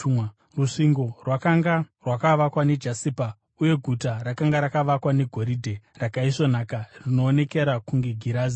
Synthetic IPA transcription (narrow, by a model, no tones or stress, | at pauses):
ruʂiŋɡo̞rwakaŋɡarwakaʋakwane̞d͡ʒasiːpa | uje̞ɡʱutarakaŋɡaɾakaʋakwane̞ɡʱo̞ɾidʱe̞rakaison̤akarino̞ːne̞ke̞ɾakuŋɡe̞ɡʱiɾaːzi